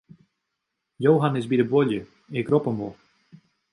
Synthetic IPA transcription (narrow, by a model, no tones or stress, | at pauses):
jowɦanɪsbidəbwɔljə | ɪkrɔpəmvɔ